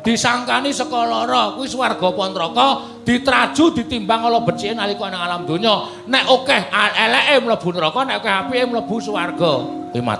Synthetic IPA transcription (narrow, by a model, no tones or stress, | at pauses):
d̪̥i̤saŋkanisəkɔlɔɾɔkuwiswarɡ̥ɔ̤pɔnt̪ɾɔkɔ | d̪̥i̤t̪ɾad̥ʒ̥ṳd̪̥i̤t̪imbaŋɔlɔb̥ə̤t͡ʃienalikɔenɪŋalamd̪̥o̤ɲɔ | nɛʔokɛhaɛlɛʔemləb̥ṳnt̪ɾɔkɔnɛʔokɛɦapiemləb̥ṳswarɡ̥ɔ | ḭma̰t̪